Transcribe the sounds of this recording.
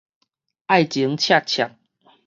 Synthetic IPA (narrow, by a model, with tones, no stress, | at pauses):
a˥˩jt͡ɕi˨˧˦ŋt͡ɕʰja˥˩t͡ɕʰja˨˩k̚